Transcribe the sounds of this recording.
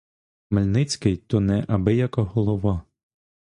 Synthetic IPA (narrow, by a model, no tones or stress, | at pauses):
mɛlʲnɪt͡sʲkɪjt̪ɔnɛʔɐbɪjɐkɐɦɔlˠɔʋɑ